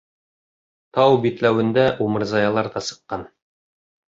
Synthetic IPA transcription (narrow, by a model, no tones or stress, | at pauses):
t̪ɑwbit̪læwɘ̆nd̪æʔumɤ̆ɾzɑjɑlˠɑɾd̪ɑsɤ̥̆qːɑn